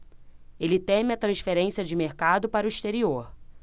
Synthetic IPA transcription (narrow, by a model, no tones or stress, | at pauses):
elɪt̪ẽmɪɐt̪ɾɐ̃sfeɾẽsiɐd͡ʒɪmeɾkad̪ʊpaɾʊiʃt̪eɾioɾ